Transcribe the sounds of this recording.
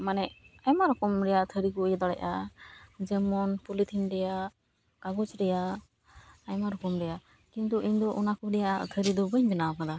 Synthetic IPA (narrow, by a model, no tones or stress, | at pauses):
manɛajmaɾɔkɔmɾɛjat̪ʰəɾiɡujd̪ɔɽajʔa̰ | d͡ʒɛmɔnpulit̪ʰinɾɛja | kaɡɔt͡ʃɾɛjaː | jmaɾɔkɔmɾɛja | kint̪uʔiɲd̪ɔʔɔnakuɾɛja̰t̪ʰəɾid̪ɔbəɲbɛnaɔkad̪a